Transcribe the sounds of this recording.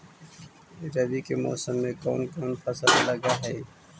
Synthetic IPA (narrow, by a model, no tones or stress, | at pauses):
ɾɐd̪ikemɔ̰ːsəmːẽkɔ̰ːnkɔːnpʰɐsəllɐɡaɦɛː